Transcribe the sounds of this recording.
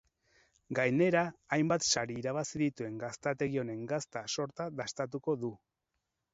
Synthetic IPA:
ɡajne̞ɾaːjmbat̪ʃaɾiːɾaβ̞asiðit̪ue̞ŋɡast̪at̪e̞ɣio̞ne̞ŋɡast̪aso̞ɾt̪aðast̪at̪uko̞ðu

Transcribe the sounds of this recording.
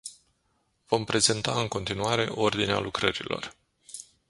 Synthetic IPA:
vo̞mpɾe̞ze̞nt̪aɨŋko̞nt̪inuaɾe̞ʔo̞rd̪inea̰lukɾəɾilo̞̰r

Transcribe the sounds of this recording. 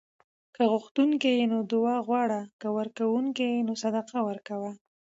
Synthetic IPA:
kəɣʊxt̪uŋkejenod̪ʊɑɣwɑɽakəwəɾkawuŋkejenosad̪aqawəɾkawa

